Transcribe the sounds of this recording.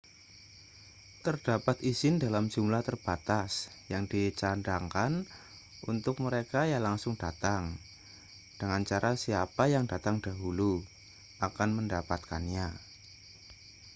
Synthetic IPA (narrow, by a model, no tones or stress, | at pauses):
t̪ərd̥apat̪izɪndalamd͡ʒ̥umlaht̪ərb̥at̪as | jaŋdit͡ʃandaŋkan | unt̪ʊk̚məɾekajalaŋsʊŋdat̪aŋ | d̥əŋant͡ʃaɾʔasiapajaŋdat̪aŋdaɦulu | ʔakanməndapat̪̚kanɲa